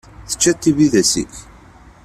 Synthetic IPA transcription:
θə̥t͡ʃːæt̪ːiviðæsḭç

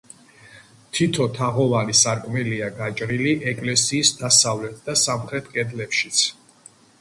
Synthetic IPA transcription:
t̪ʰit̪ʰɔt̪ʰaʁɔvanisaɾkʼmɛliaɡat͡ʃʼɾiliʔɛkʼlɛsiːsd̪̥asavlɛt̪̚ʰd̪̥asamχɾɛt̪ʰkʼɛd̪lɛpʃi̥t̪sʰ

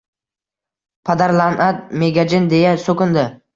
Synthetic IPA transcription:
pʰad̪aɾlˠanʔat̪̚meɡʲad͡ʒɪnd̪e̞jasokʊnd̪ɪ

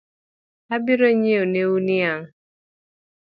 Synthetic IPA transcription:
abiɾoɲeoneuniaŋ

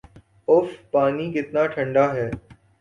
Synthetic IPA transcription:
ʊfpaːnikɪt̪naːʈʰɐ̃ɳɖaːɦɛː

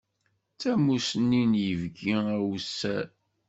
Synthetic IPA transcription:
t͡sæmusnːinjəvɡiæwsːæɾ

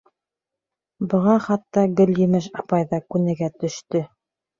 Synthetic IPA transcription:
bɤ̆ʁɑχɑt̪ːɑɡɵ̆ljɵ̆mɘʃɑpɑjðɑkʉnɘ̆ɡæt̪ɵ̆ʃt̪ɵ

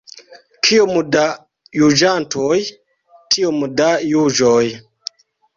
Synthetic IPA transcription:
kʰiomuda | jud͡ʒantʰoj | tʰiomudajud͡ʒoj

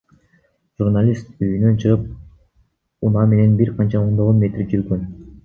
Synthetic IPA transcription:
ʒ̥urnalʲist̪yjynø̞nt͡ʃʰɯʁɯp̚ | unɑme̞ne̞nbiɾqʰɑnt͡ʃɑo̞nd̪o̞ʁonme̞t̪rid͡ʒyɾɡøn

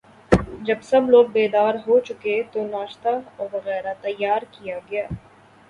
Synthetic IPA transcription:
d͡ʒɐbsɐbloːɡ̚beːd̪aːɾɦot͡ʃʊket̪onaːʃt̪aɔːɾʋɐɣɛːɾat̪ɐjːaːɾkijaɡɐjaː

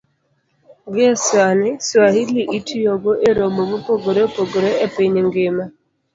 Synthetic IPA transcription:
ɡɪaswanɪswahiliʔitʰujɔɡoʔeɾomomupoɡoɾepoɡoɾeʔepeɲeŋɡema

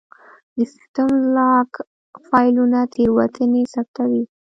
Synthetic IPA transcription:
d̪əsɪt̪amlɑk | fɑjlunat̪ʰeɾwat̪ʰənesap̚t̪awi

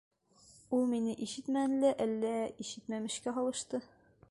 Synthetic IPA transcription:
ulˠminɘʔiʃɘt̪mænlæʔælːæiʃɘt̪mæmɘ̆ʃkæɦɒlˠɤ̆ʃt̪ɤ

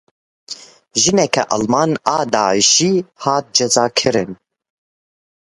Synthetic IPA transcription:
ʒɨnɛkʰɛ̰ʔɑlmɑːnaːd̪aːʕiʃiːhɑːt̪̚d͡ʒɛzɑːkʰɨɾɨn

